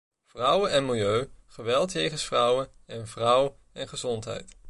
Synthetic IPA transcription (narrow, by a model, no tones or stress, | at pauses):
v̥rʌwənɛnmɪlˠjøɥχəʋɛlˠtjejχənsfrʌwənɛnvrʌw | ɛnχəzɔntɦɛ̰jt